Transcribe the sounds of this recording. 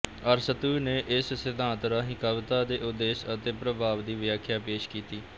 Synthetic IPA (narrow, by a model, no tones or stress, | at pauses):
əɾsət̪uːneːʔɪssɪd̪ʱãːnt̪ɾaːɦɪkaːʋt̪aːd̪eːʔʊd̪ːeːʃət̪eːpɾəbʱaːʋd̪iːʋjaːkʰːjaːpeːʃkiːt̪iː